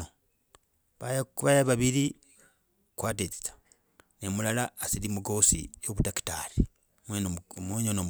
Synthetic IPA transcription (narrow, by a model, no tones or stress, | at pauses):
o | βaβajaβaβiɾi | kwaːtet͡si̥t͡sḁ | nemulalaːsilimuɡosḭjoβutaki̥taɾi | mwmweɲonom